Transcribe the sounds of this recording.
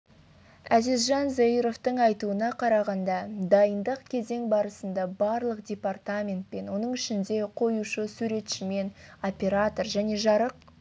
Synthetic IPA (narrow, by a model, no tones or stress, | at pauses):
æzɪzʒɑnzaiɾo̞ft̪əɴɑjt̪uənɑqʰɑɾɑʁɑnd̪ɑd̪ɑjənd̪əqkʲʰe̞ze̞ŋbɑɾəsənd̪ɑbɑɾlˠəq̚dʲe̞part̪amʲe̞nt̪̚pe̞nwo̞nəɴɪʃɪnd̪e̞qʰo̞juʃəsuɾe̞t̪ʃɪme̞nopʲe̞ɾat̪o̞rʒæne̞ʒɑɾəq̚